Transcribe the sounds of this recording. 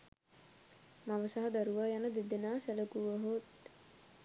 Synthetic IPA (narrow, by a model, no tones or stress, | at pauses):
maʋəsaɦɐd̪aɾuʋaːjanəd̪id̪enaːsæləkuʋəɦot̪̚